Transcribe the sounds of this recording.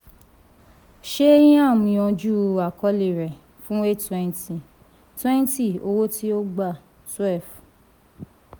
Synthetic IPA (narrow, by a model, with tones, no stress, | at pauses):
ʃe˦jĩ˦a˦˨mĩ˧ɔ̃˧d͡ʒu˦a˨kɔ˧˦li˨ɾɛ˨ | fũ˦e˦twɛ̃˦˧n˦ti˦˨ | twɛ̃˦n˦ti˦˨o˧wo˦ti˦o˦ɡ͡ba˦˨ | swɛ˦˨f